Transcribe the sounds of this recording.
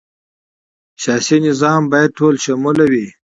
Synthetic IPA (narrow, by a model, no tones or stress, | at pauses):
ɕɑːsinɪzɑːmbɑːjad̪̚ʈʰoːlʃamulawi